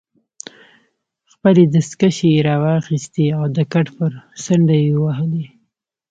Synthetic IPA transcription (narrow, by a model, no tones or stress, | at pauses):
xpəled̪əskaʃeɾɑwɑxist̪iawd̪əkaʈpəɾsaɳɖajewaɦəli